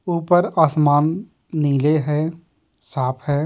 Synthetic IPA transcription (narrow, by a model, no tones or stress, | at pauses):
uːpəɾaːsmaːnː | iːleɦɛː | saːpʰɦɛː